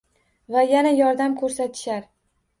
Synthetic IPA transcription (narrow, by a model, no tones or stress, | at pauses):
vajanajɒɾd̪amkʰɵɾsat̪ʰɪ̥ʃaɾ